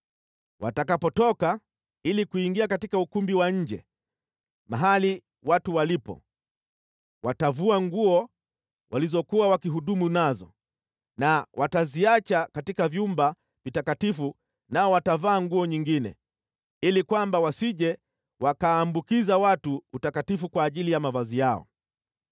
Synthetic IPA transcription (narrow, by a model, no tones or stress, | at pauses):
wa̰takapɔtɔka | ilikuiŋɡiakatikaukumbiwaɲ̩d͡ʒɛ̰ | maɦali | watuwalipɔ̰ | watavuaŋɡuɔ | wʔalizɔkuwawakiɦuɗumunazɔ̰ | nawʔataziat͡ʃakatikavjumba | vitakatifu | naɔwatavaːŋɡuɔɲiŋɡinɛ̰ | ilikwambawasiʄɛ | wakaːmbukizawatuːtakatifukwaːʄilijamavazijaɔ̰